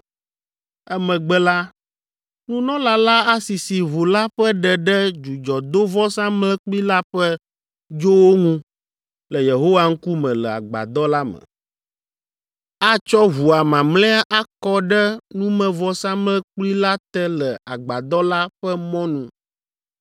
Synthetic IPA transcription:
ɛ˦mɛ̃˨ɡ͡bɛ˦la˦ | nũ˦nɔ̃˦la˦la˦a˦si˨si˨βu˨la˦ɸɛ˦ɖɛ˨ɖɛ˦d͡ʒu˨d͡ʒɔ˨d̪o˦vɔ˦sã˦mlɛ˦k͡pli˦la˦ɸɛ˦ | d͡ʒo˦wo˦ŋũ˦ | lɛ˨je˨ɦo˦wa˦ŋ̩˦ku˦mɛ̃˨lɛ˨a̰˨ɡ͡ba̰˨d̪ɔ˦la˦mɛ̰̃˨ | a˦t͡ʃɔ˦βu˨a˨mã˨mlɛ̃˦a˦ʔa˦kɔ˦ɖɛ˦nũ˦mɛ̃˦˨vɔ˦sã˦mlɛ˦k͡pli˦la˦t̪ɛ˦lɛ˨a˨ɡ͡ba˨d̪ɔ˦la˦ɸɛ˦mɔ̃˦nũ˦

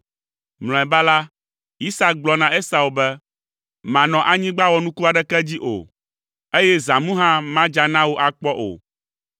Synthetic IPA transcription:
ml̃ɔ̃˨ɛ˨ba˦la˦ | i˦sa˦ɡ͡blɔ˦nã˨e˦sa˨wo˨bɛ˦ | mã˨nɔ̃˨ʔa˨ɲĩ˦ɡ͡ba˦wɔ˦nũ˦ku˦a˨ɖɛ˦kɛ˦d͡ʑi˦ʔo̰˨ | e˦jɛ˦zã˨mũ˦ɦã˦mã˦d͡ʒa˨nã˦wo˦ʔa˨k͡pɔ˦ʔo̰˨

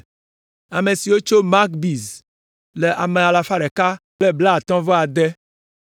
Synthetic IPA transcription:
a˨mẽ˨si˨wo˦t͡ʃo˦ma˦kbi˨z | le˨ʔa˨mẽ˨a˨la˨fa˦ɖɛ˨ka˦kle˦bla˦˨t̪ɔ̃˦vɔ˦a˨d̪ɛ˦

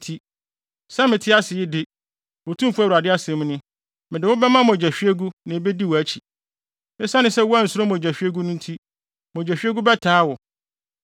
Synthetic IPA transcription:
tʰi˦ | sa˦mɪ̃˨tʰɪ˦a˦sɪ˨jɪ˦dɪ˦ | wo˨tʰũ˦mfʊ˦æ˦˨u˨ɾa˨dɪ˦a˦sɛ̃˨˦m̃˦nʊ̃˦ | mɪ̃˨dɪ˨wʊ̃˦bɛ˦mã˦m˨d͡ʑɛ˨ɕᶣɥɛ˦ɡu˦nã˨be˦di˦wɔ˨æ˦t͡ɕʰi˨ | ɪ̃˦sa˦nɪ̃˦sɛ˦wɔ˦a˦n̩˨sʊ˦ɾo˦m˨d͡ʑæ˨ɕᶣɥe˦ɡu˦nʊ̃˦n̩˦tʰi˦ | mɔ˨d͡ʑæ˨ɕᶣɥɛ˦ɡu˦bɛ˦tʰaː˦wɔ˨

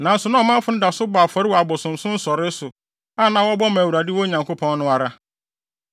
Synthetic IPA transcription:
nã˨n̩˦sʊ˨nã˦ɔ˨mã˦fʊ˨˦nɪ̃˦da˨sʊ˦baː˨fɔ˨ɾɪ˦wɔ˨a˨bɔ˨sʊ̃˨m˨sʊ̃˦n̩˦sɔ˨ɾɪ˦sʊ˨ | a˦˨nã˨wɔ˦bɔ˦mã˨wu˨ɾa˨dɪ˦wɔ˦ɲã˨ŋko˦pʰɔ̃˦nnʊ̃˦a˨ɾa˦

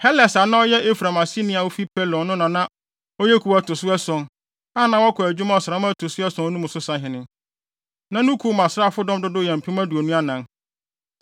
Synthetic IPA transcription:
hɛ˦lɛ˨sa˨˦nã˦ɔ˦jɛ˦ʔe˦fɾa˨ma˨si˦nɪ̃˦a˨wo˦fi˦pʰɛ˦lɔ̃˨˦nʊ̃˦nã˨nã˦ | ɔ˦jɛ˦kʰu˨wa˦tʊ˨sʊ˦ɛ˦sʊ̃˨n | a˦˨nã˨wɔ˦kʰʊ˨æ˨d͡ʑᶣu˦mã˦ɔ˨sã˦mã˦tʰʊ˨sʊ˦ɛ˦sʊ̃˦nũ˦mʊ̃˨sʊ˦sã˦ɦɪ̃˨nɪ̃˨ | nã˦nũ˦kʰu˨˦˨mã˨sa˦˨fʊ˦dɔ̃˦mdʊ˦dʊ˦˨jɛ˨m̩˨pʰĩ˦mã˦du˨o˨nũ˦a˦nã˨n

